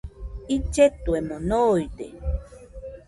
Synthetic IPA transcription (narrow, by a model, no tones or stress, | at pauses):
it͡ʃet̪uemonojd̪ḛ